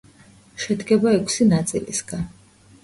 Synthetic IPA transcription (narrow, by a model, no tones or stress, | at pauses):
ʃɛd̪ɡɛbaɛkʷʰsinat̪sʼḭlḭsɡ̥an